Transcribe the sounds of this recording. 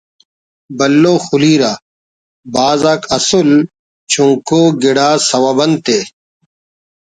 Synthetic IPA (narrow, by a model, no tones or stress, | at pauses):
bɐlːoːxuliːɾaː | baːzaːkʰɐsul | t͡ɕũŋkoːɡiɽaːsɐwabɐnt̪eː